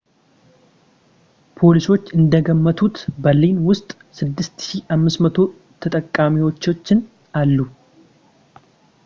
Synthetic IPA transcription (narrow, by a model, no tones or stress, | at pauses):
pʰo̞liso̞t͡ʃːɨnd̪əɡəmːət̪ʰut̪bəlinwʊst̪ʼ | sɨd̪ːɨst̪ʃiʔamːɨsmət̪ʰo̞ | t̪ʰət̪ʼəkʼːamiwo̞t͡ʃːo̞t͡ʃːɪn | alːu